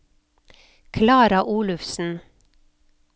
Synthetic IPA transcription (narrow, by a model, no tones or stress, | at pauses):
kʰlɑːɾɑʔuːlʉfsn̩